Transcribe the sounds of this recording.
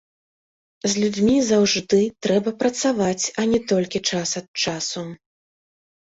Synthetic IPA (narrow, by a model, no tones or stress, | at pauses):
zʲlʲud͡zʲmʲizawʐd̪ɨt̪ɾɛbɐpɾɐt̪savat͡sʲɐnʲɛt̪ɔlʲkʲit͡ʂasɐt̪̚t͡ʂasu